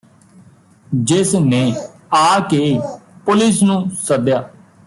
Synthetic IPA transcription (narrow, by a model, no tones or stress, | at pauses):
d͡ʒɪsneː | aːkeːpʊlɪsnũːsəd̪jaː